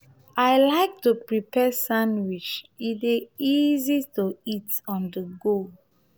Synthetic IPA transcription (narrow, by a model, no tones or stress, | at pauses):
aɪlaɪk̚tupɹipʰɛsãndwit͡ʃiteizituitɔ̃ndəɡo